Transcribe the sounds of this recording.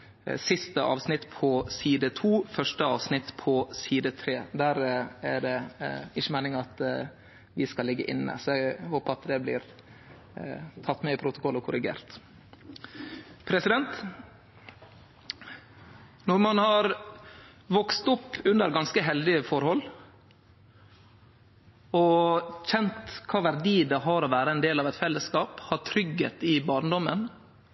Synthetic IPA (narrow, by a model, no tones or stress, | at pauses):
sɪst̪əʔɑ̰ːʋsnɪt̪pʰɔsiːd̪ət̪ʰuːfœʂʈəɑːʋsnɪt̪pʰɔsiːd̪ət̪ʰɾeːd̪æɾæɖɛɪçːəmæɪnɪŋɑt̪ | ʋɪskɑlɪɡːəʔɪnːə̰sɔɛɡhoːpəɾɑt̪d̪ɛblɪ̰ːɾ | t̪ʰɑt̪ːmɛɪpʰɾʊt̪ʊ̥kʰɔlːɔkʰʊɾɪɡḛːɾt̪ | pʰɾɛsɪd̪ɛnt̪ | nɔɾmɑnhɑɾ | ʋɔkst̪ʊpːʉnd̪əɾɡɑnskəɦɛld̪ɪəfɔɾhɔlː | ɔçɛnt̪kʰɑːʋæɾɖ̪iːd̪ɛɦɑɾɔʋæːɾəɛnd̪eːlɑʋɛt̪fɛlːəskɑːphɑt̪ʰɾʏɡːet̪ɪbɑːɾnəd̪ɔmːən